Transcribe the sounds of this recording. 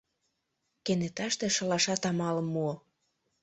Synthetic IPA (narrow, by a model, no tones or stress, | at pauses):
kenet̪ɑʃt̪ĕʃɤ̆lɑʃɑt̪ɑmɑlə̆mːuo